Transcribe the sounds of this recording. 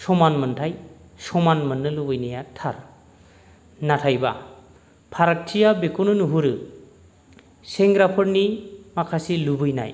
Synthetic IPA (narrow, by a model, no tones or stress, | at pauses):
sɔmanmɯntʰaj | sɔmanmɯnːɯlubɯjnijatʰaɾ | natʰajba̰ | pʰaɾak̚tʰijabekunɯnuɦuɾɯ | seŋɡɾapʰɯɾnimakʰasilubɯjna̰j